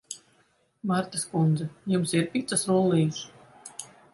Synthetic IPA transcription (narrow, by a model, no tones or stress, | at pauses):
maɾt̪askund̪zɛjumsiɾpʲit̪sasɾulˠiːs